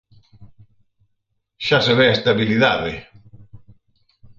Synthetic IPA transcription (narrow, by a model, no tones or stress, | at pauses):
ʃaseβeast̪aβiliðaðe